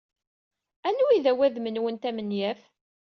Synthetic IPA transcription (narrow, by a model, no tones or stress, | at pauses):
ænːuiðæwæðmənwənt̪æmənjæf